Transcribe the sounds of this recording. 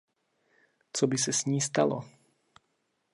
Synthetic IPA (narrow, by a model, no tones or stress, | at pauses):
t͡sɔbis̬ɛzɲiːst̪a̰lɔ̰